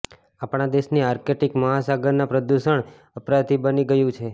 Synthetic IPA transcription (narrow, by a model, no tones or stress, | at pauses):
apɳ̃ad̪eʃniaɾkeʈikməɦasaɡəɾnapɾəd̪uʃəɳ | əpɾat̪ibəniɡəjũt͡ʃʰe